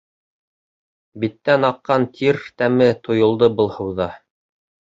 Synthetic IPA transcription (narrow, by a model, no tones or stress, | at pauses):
bit̪ːænɑqːɑnt̪ʰiɾt̪æmɘt̪ŏjŏlˠd̪ɤbɤ̆lˠhɤ̆wðɑ